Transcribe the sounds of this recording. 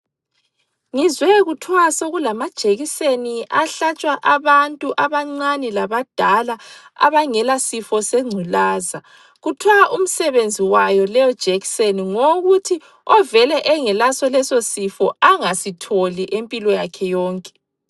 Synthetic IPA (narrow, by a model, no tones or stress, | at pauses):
ŋizwɛɣutʰwasoɣulamad̥ʒ̥ʱeɣiseniʔaɬat͡ʃʼwaʔaβantʼuʔaβaŋ͡ǀanilaβad̥ʱala | a̰βaŋɛlasifɔseŋ͡ǀʱulaːza | ɣutʰwaʔum̩sɛβend͡zʱiwajɔlɛjɔd̥ʒ̥ʱɛkseniŋoɣutʰi | ɔvɛlɛʔɛŋɛlasɔlɛsosifɔaŋasitʰoliʔempʼilɔjakʰɛjɔːŋkʼɛ̥